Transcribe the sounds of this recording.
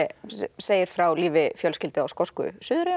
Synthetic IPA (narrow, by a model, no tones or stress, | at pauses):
seːjɪɾ̥fɾawliːvɪfjœlscɪlt̪ɪawskɔskʏ̰sʏːðɾɪ